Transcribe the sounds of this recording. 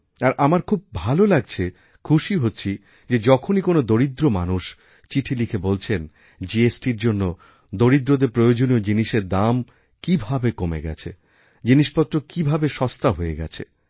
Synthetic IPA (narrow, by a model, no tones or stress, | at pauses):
aɾʔamaɾkʰub̚bʱalolaɡ̚t͡ɕʰe | kʰuʃiɦotːɕʰi | d͡ʑed͡ʑɔkʰonikonod̪oɾid̪ɾoma̰nuʃ | t͡ɕiʈʰilikʰebolt͡ɕʰen | d͡ʑiesʈiɾd͡ʑonːo | d̪oɾid̪ɾod̪eɾpɾojod͡ʑoniod͡ʑiniʃeɾd̪am | kibʱabekomeɡɛ̰t͡ɕʰe | d͡ʑiniʃpɔt̪ːɾokibʱabeʃɔst̪aɦoeɡɛ̰t͡ɕʰḛ